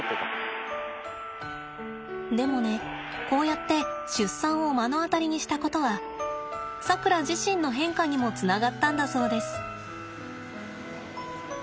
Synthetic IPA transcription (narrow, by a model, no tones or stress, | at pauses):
d̪e̞mo̞ne̞ | ko̞ːjat̪ːe̞ɕɨsːãɰ̃o̞mano̞at̪aɾʲiɲ̟iɕi̥t̪ako̞t̪o̞βa | sakɯ̟ɾad͡ʑiɕĩnːo̞ɦẽ̞ŋkaɲ̟imo̞t͡sɨnaɡat̪ːãnd̪aso̞ːd̪e̞sɨ̥